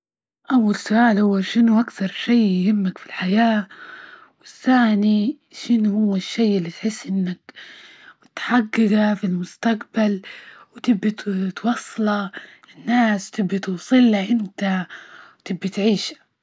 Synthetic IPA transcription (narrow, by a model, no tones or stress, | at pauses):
ʔawːalsʊʔaːlhʊwːaʃɪnuʔakθɑɾˤʃajjʊhɪmːakfilħajaː | wɪθːaːni | ʃɪnuhuwːɪʃːeːʔɪlːit̪ħɪsːʔɪnːak | mʊt̪ħaɡːɪɡafilmʊst̪aqbalwt̪ɪbːat̪wɑsˤːlɑ | ɪnːaːswt̪ɪbːat̪uːsˤɨlaʔɪnt̪awt̪ɪbːat̪ʕiːʃḁ